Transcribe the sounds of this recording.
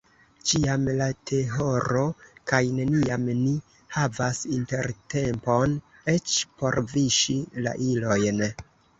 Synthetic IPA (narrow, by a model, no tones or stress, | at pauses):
t͡ʃiamlatʰe̞ɦo̞ɾo̞kajne̞niamni | havasinte̞ɾte̞mpo̞n | e̞t͡ʃpo̞ɾviʃila̰ʔilo̞jn